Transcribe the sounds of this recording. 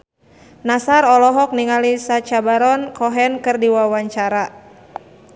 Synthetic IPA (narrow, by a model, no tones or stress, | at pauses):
nasaɾɔlɔɦɔk̚niŋalisat͡ʃabaɾɔnkɔɦɛnkɨrdiwawaɲt͡ʃaɾa